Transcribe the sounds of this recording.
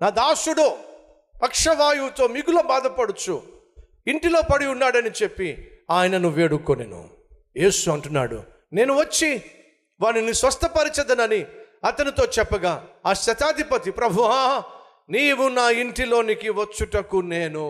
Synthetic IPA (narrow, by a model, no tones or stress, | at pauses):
naːd̪aːsuɽoː | pɐkʂɐʋaːjuːt̪o̞ːmiɡuloːbaːd̪ɐpɐɽut͡ʃu | iɳʈilo̞ːpɐɽiunːaːɽɐnit͡ʃepːiaːjɐnɐnuʋe̞ːɽukonḛnṵ | je̞ːsuɐɳʈunːa̰ːɽṵ | ne̞ːnuʋɐt͡ʃːi | ʋaːninisʋɐst̪ʰɐpɐɾit͡ʃɛd̪ɐnɐniɐt̪ɐnit̪o̞ːt͡ʃɛpːɐɡaːaːʃɐt̪aːd̪ʱipɐt̪ipɾɐbʱuaː | niːʋunaːiɳʈilo̞ːnikiʋɐt͡ʃːuʈɐkːuneːnu